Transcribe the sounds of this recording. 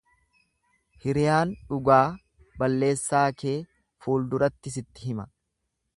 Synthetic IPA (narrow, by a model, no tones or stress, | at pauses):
hɪɾɪjaːnᶑʊɡaː | bɐlːe̞ːsːaːke̞ː | fuːld̪ʊɾɐt̪ːɪs̬ɪt̪ːɪɦɪmɐ